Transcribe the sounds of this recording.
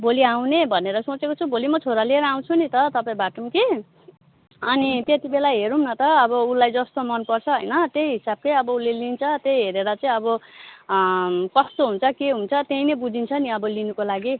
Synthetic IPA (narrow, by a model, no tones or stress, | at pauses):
boliaw̃nebʱʌneɾʌsot͡sekot͡sʰubolimʌt͡sʰoɾalieɾʌaw̃t͡sʰunit̪ʌt̪ʌpãĩbaʈumke | ʌnit̪et̪ibelajɦeɾumnʌt̪ʌːbʌulajd͡zʌst̪omʌnpʌrt͡sʰʌɦʌ̰jnʌt̪ejɦisab̚kejʌbʌulelint͡sʰʌt̪ejɦeɾeɾʌt͡saĩʌbʌ | kʌst̪oɦunt͡sʰʌkeɦunt͡sʰʌt̪einebud͡zʱint͡sʰʌniʌbʌlinukolaɡi